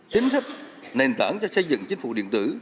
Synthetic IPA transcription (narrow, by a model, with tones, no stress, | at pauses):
t͡ɕi˨˦nsa˦˥k̚ | ne˨˩nt̪aː˧˩nt͡ɕɔ˧sə˧jzɨ̰˧˨ŋt͡ɕï˨˦ŋ̟fṵ˧˨˩ɗḭ˧˨ənt̪ɨ˧˩